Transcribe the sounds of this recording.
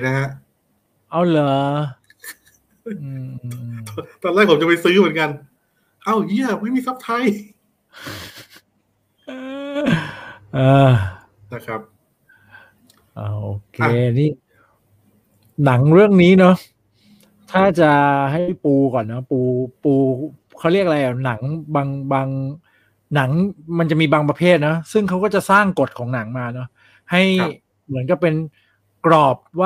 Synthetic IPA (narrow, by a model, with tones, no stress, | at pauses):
na˦˥ɦa˦˥ʔ | ʔa˧˩wlɤː˨˩˦ | ʔɯː˧ | t̪ɔː˧nlɛː˥˩k̚ʰmt͡ɕa˨pa˧jsɯː˦˥mɯ˩˦ə˦nka˧n | ʔa˧˩wji˥˩əma˥˩jmiː˧˩sa˦˥p̚t̪ʰa˧j | ʔɤː˧ | na˧˩kʰɾa˦˥p̚ | ʔoː˧˩ʔoː˧kʰeː˧niː˥˩ | na˩˦ŋɾɯ˥˩əŋniː˦˥nɔ˦˥ | t̪ʰaː˥˩t͡ɕa˨˩ɦa˥˩jpuː˧kɔː˨˩nːɔ˦˥puː˧puː˧ | kʰa˦˥wɾi˥˩ək̚ɾa˧jʔa˨˩na˩˦ŋbaː˧ŋbaː˧ŋ | na˩˦ŋma˧nt͡ɕa˨˩miː˧baː˧ŋpɾa˧pʰeː˥˩t̪̚nɔ˦˥sɯ˥˩ŋkʰa˦˥wkɔː˥˩t͡ɕa˨˩saː˥˩ŋko˨˩t̪̚kʰɔː˩˦ŋna˩˦ŋmaː˧nɔ˦˥ | ha˥˩j | mɯ˩˦ənka˨˩p̚e˧n | kɾɔː˨˩p̚waː˥˩